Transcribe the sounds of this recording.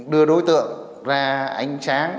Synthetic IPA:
ɗɨ˧əɗo˨˦jt̪ɨ̰˧˨əŋ | zaː˧˩ʔa˨˦jŋ̟saː˨˦n

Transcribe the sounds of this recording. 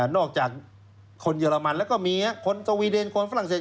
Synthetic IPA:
nɔː˥˩k̚t͡ɕaː˨˩k̚ | kʰːo˧njɤː˧la˧ma˧nlɛː˦˥wkɔː˥˩miː˧a˦˥kʰo˧nso˧wiː˧de˧nkʰo˧nfa˧˥ɾa˨˩ŋseː˨˩

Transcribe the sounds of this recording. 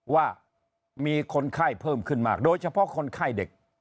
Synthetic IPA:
waː˥˩ | miː˧kʰo˧nkʰaː˥˩jpʰɤː˥˩mkʰɯ˥˩nmaː˥˩k̚doː˧jt͡ɕʰa˧pʰɔ˦˥kʰo˧nkʰaː˥˩jde˨˩k̚

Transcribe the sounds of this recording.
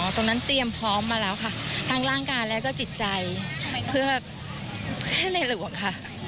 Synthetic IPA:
t̪o˧ŋna˦˥nt̪i˧əmpʰɔː˦˥mːaː˧lɛː˦˥wkʰa˥˩t̪ʰaː˧˥ŋɾaː˥˩ŋkaː˧jlɛː˦˥wkɔː˥˩t͡ɕi˨˩t̪̚t͡ɕa˧jpʰɯ˥˩ɐ | pʰɯ˥˩əna˧˩jlɯ˨˩˦ə˦ŋkʰa˥˩ʔ

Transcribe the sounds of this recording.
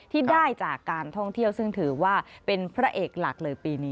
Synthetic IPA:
t̪ʰiː˥˩daː˥˩jt͡ɕaː˨˩kːaː˧nt̪ʰɔ˥˩ŋt̪ʰi˥˩əwsɯ˥˩ŋt̪ʰɯː˩˦waː˥˩pe˧npʰɾa˦˥ʔeː˨˩k̚la˨˩k̚lɤː˧jpiː˧ni˦˥

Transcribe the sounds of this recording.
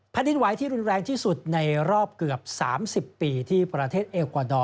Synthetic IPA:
pʰa˧˥ndi˧nwa˨˩˦jt̪ʰiː˥˩ɾu˧nɾɛː˧ŋt̪ʰiː˥˩su˨˩t̪̚na˧jɾɔː˥˩p̚kɯ˨˩əp̚sa̰ː˩˦msi˨˩pːiː˧t̪ʰiː˥˩pɾa˧t̪ʰeː˥˩t̪̚ʔeː˧kwaː˧dɔː˧

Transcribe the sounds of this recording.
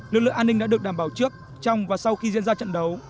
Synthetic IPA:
lɨ˨˩k̚lɨ̰˧˨ŋʔa˧nːi˧ŋɗa̰ː˧˥ɨ˨˩ək̚ɗaː˧˩mɓaː˧˩wt͡ɕɨ˦˥ək̚ | t͡ɕɔ˧wŋ͡mvaː˨˩sa˧wxi˧zḭ˧˥ənzaː˧t͡ɕə̰˧˨nɗə˨˦w

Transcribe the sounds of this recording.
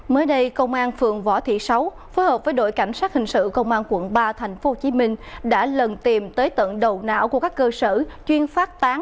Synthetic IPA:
məː˨˦jɗə˧jkə˧wŋ͡mʔaː˧nfɨ̰˨əŋvɔ˧˩t̪ʰḭ˧˨sa˨˦w | fo˨˦jhəː˨˩p̚vəː˨˦jɗo̰˧˨jka˧˩jŋ̟saː˦˥t̚hï˨˩ŋ̟sɨ̰˧˨kə˧wŋ͡mʔaː˧nkwə˧˩ənɓaː˧t̪ʰa˨˩jŋ̟fo˨˦ho˧t͡ɕi˨˦mï˧ŋ̟ɗa̰ː˧˥lə˨˩nt̪i˨˩mt̪əː˨˦jt̪ə̰˧˨nɗə˨˩wna̰ː˧˥wku˧˩kaː˦˥kːəː˧sə˧˩t͡ɕwi˧ənfaː˦˥t̚t̪aː˨˦ŋ

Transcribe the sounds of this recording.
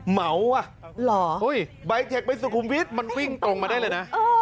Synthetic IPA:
ma˩˦wa˧˩ʔlɔː˩˦ʔu˧˥˩jba˧jt̪ʰe˨˩k̚pa˧ns̬uː˨˧˩kʰuː˧mpi˦˥t̪̚ma˧nwi˥˩ŋt̪o˧ŋmaː˧da˥˩jlɤː˧jna˦˥ʔʔː

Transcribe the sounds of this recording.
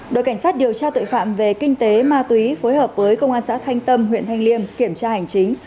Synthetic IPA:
ɗo̰˨jka˧˩ŋ̟saː˦˥t̚ɗi˨˩əwt͡ɕaː˧t̪o̰˧˨jfa̰ː˧˨mve˨˩kï˧ŋ̟t̪e˨˦maː˧t̪wi˨˦fo˨˦jɦəː˨˩p̚vəː˨˦jkə˧wŋ͡mʔaː˧nsa̰ː˧˥t̪ʰa˧jŋ̟t̪ə˧mɦwḭ˧˨ənt̪ʰa˧jŋ̟li˧əmki˧˩əmt͡ɕaː˧ha˨˩jŋ̟t͡ɕï˨˦ŋ̟

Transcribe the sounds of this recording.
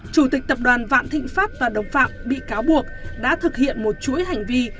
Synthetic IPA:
t͡ɕu˧˩t̪i˨˩k̟̚t̪ə˨˩p̚ɗwaː˨˩nva̰ː˧˨nt̪ʰḭ̈˧˨ŋ̟faː˦˥p̚vaː˨˩ɗə˨˩wŋ͡mfa̰ː˧˨p̚ɓḭ˧˨kaː˨˦wɓu˨˩ək̚ɗa̰ː˧˥t̪ʰɨ˨˩k̚hḭ˧˨ənmo˨˩t̚t͡ɕu˧˥əjɦa˨˩jŋ̟vi˧

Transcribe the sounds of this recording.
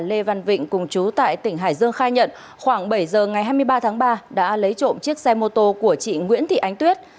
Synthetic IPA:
le˧va˧nvḭ̈˧˨ŋ̟kʊ˨˩ŋ͡mt͡ɕu˨˦t̪a̰ː˧˨jt̪ï˧˩ŋ̟ɦa̰ː˧˩jzɨ˧əŋxaː˧jɲə̰˧˨n | xwaː˧˩ŋɓə˧˩jzəː˨˩ŋa˨˩jɦaː˧jmɨ˧əjɓaː˧t̪ʰaː˨˦ŋɓaː˧ɗa̰ː˧˥lə˨˦jt͡ɕo̰˧˨nt͡ɕi˦˥ək̚sa˧jmo˧t̪o˧ku˧˩ət͡ɕḭ˧˨ŋwḭ˧˥nt̪ʰḭ˧˨ʔa˨˦jŋ̟t̪wi˦˥ət̚

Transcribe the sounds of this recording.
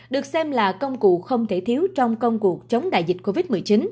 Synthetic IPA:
ɗɨ˨˩ək̚sɛ˧mlaː˨˩kə˧wŋ͡mkṵ˧˨xə˧wŋ͡mt̪ʰe˧˩t̪ʰi˨˦əwt͡ɕɔ˧wŋ͡mkə˧wŋ͡mku˨˩ək̚t͡ɕə˨˦wŋ͡mɗa̰ː˧˨jzï˨˩t̚ko˧vi˦˥t̚m˨˩əjt͡ɕi˨˦n

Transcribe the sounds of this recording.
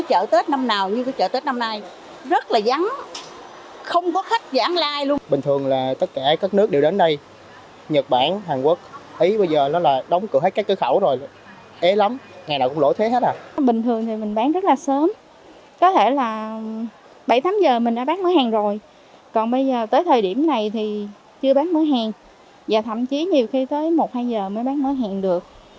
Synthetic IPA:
ɔ˨˦t͡ɕə̰ː˧˨t̪e˦˥t̚na˧mnaː˨˩wɲɨ˧kɔ˨˦t͡ɕə̰ː˧˨˩t̪e˦˥t̚na˧mnaː˧j | zə˦˥t̚laː˨˩za˨˦ŋ | xə˧wŋ͡mkɔ˨˦xa˦˥k̚zaː˧˨˦ŋlaː˧jlu˧əɓï˨˩ŋt̪ʰɨ˨˩əŋlaː˨˩t̪ə˦˥t̚kaː˧˩kaː˦˥k̚nɨ˦˥ək̚ɗe˨˩wɗe˨˦nɗə˧j | ɲə˨˩t̚ɓa̰ː˧˩˨nɦaː˨˩ŋku˦˥k̚ʔi˨˦ɓə˧jzəː˨˩nɔ˨˦laː˨˩ɗə˨˦wŋ͡mkɨ˨˧˩ɦe˦˥kaː˦˥k̚ːɨ˧˦xə˧˩wzo˨˩j | ʔe˨˦la˨˦mŋaː˨˩jnaː˧˩kʊ˧˥ŋ͡mlo̰˧˥jt̪ʰe˨˦ɦe˦˥t̚aː˨˩ɓï˨˩ŋ̟t̪ʰɨ˨˩əŋt̪ʰi˨˩mï˨˩ŋ̟ɓaː˨˦ŋzə˦˥t̚laː˨˩səː˨˦m | kɔ˨˦t̪ʰe˧˩laː˨˩ | ɓa˧˩jt̪ʰaː˨˦mzəː˨˩mï˨˩ŋ̟ɗaː˧˥ɓaː˦˥ŋ̚məː˨˦jhaː˨˩ŋzo˨˩j | kɔ˨˩nɓə˧jzəː˨˩t̪əː˨˦jt̪ʰəː˨˩jɗi˧˩əmna˨˩jt̪ʰi˨˩ | t͡ɕɨ˧əɓaː˨˦˥nməː˨˦jɦaː˨˩ŋ | zaː˨˩t̪ʰə̰˧˩˨mt͡ɕi˨˦ɲi˨˩əwxi˧t̪əː˨˦jmo˨˩t̚haː˧jzəː˨˩məː˨˦jɓaː˨˦ŋməː˨˦ɦaː˨˩ŋɗɨ˨˩ək̚

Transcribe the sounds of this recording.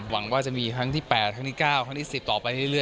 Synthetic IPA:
wa˩˦ŋwaː˥˩t͡ɕa˨˩ʔmiː˧kʰɾa˦˥ŋt̪ʰiː˥˩pɛː˨˩t̪̚kʰa˦˥ŋt̪ʰiː˥˩kaː˥˩wkʰa˦˥t̪ʰiː˥˩si˨˩p̚t̪ɔː˨˩pa˧jɾɯ˥˩jɾɯ˥˩

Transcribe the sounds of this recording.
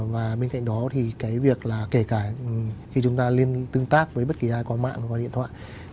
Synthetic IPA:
vaː˨˩ɓe˧nka̰˧˨jŋ̟ɗɔ˨˦t̪ʰi˨˩kaː˨˦jvi˨˩ək̚laː˨˩ke˧˩kaː˧˩xi˧t͡ɕʊ˨˦ŋ͡mt̪aː˧li˧ənt̪ɨ˧əŋt̪aː˦˥k̚vəː˨˦jɓə˦˥t̚ki˨˩ʔaː˧jkwaː˧nma̰ː˧˨nhkwa˧ɗḭ˧˨ənt̪ʰw̰a̰ː˧˨j

